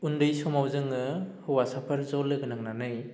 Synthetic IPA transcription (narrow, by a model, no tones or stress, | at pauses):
undɯjsɔmawzɯŋɯhɯwasapʰaɾzɔlːɯɡɯnaŋnanɯj